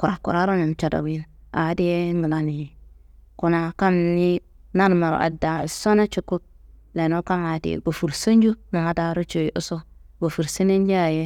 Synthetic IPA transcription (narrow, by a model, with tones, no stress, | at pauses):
ku˨a˨kṵ˨ɾa˦ɾo˦na˨m˨t͡ʃa˨da̰˨wi˦n | a˨˦de˦ŋɡə˨la˨ni˨ | ku˨na˨ka˦mni˦ | na˦ɾma˨ɾ̰a̰˨da˨so˦na˦t͡ʃu˨˦kːu˦k̚la˨no˦ka˦ma˨tḭ˨bo˨fu˨ɾsə˦n˦d͡ʒu˦na˨ŋa˦da˨˦ɾo˦t͡ʃo˨˦ʔu˦so˦ | bo˨fu˨ɾsi˦ne˦nd͡ʒa˦a˨je˦